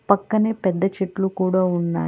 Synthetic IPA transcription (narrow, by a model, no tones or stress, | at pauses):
pɐkːɐneːpɛd̪ːɐt͡ʃeʈlukuːɽaːunːa̰ː